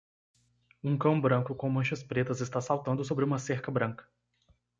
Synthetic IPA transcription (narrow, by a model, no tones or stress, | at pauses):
ũkɐ̃w̃bɾɐ̃kʊkõw̃mɐ̃ʃɐspɾet̪ɐzɪst̪asawt̪ɐ̃nd̪ʊsobɾɪũmɐseɾkɐbɾɐ̃kɐ̥